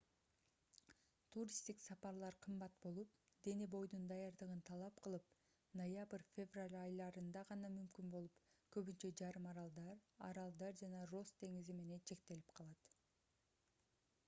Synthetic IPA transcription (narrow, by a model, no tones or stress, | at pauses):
t̪ʰuɾʲist̪iksɑpɑɾlˠɑɾqʰɯmbɑt̪̚bo̞lˠup | d̪e̞nibo̞jd̪und̪ɑjɑɾd̪ɯʁɯnt̪ʰɑlˠɑp̚qɯlˠɯp̚ | nojabrfʲevralʲɑjlˠɑɾɯnd̪ɑʁɑnɑmymkynbo̞lˠupkø̞βynt͡ʃe̞d͡ʒɑɾɯmɑɾɑlˠd̪ɑɾɑ̰ɾɑlˠd̪ɑɾd͡ʒɑnɑro̞st̪ʰe̞ŋizime̞ne̞nt͡ʃʰe̞k̚t̪e̞lipqʰɑlˠɑt̪